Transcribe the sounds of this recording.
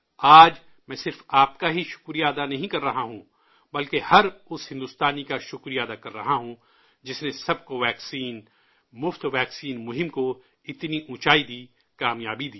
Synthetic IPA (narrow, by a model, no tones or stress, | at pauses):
aːd͡ʒ | mɛ̃ːsɪɾfaːp̚kaɦiʃʊ̥kɾijaːd̪anɐɦĩkɐɾːɐɦaɦũ | bɐlkehɐɾʊsɦɪ̃nd̪ʊst̪aːnikaʃʊkɾijaːd̪akɐɾːɐɦaɦũ | d͡ʒɪsnesɐb̚koʋɛːksiːn | mʊft̪ʋɛːksiːnmʊɦɪ̃mko | ɪt̪niʔʊ̃ːt͡ʃaːid̪iː | kaːmjaːbid̪iː